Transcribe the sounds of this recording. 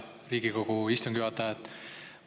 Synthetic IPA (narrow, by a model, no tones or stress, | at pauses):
riːɡiko̞ɡ̥uist̪uŋɡ̥juɑt̪ːˑɑet̪ː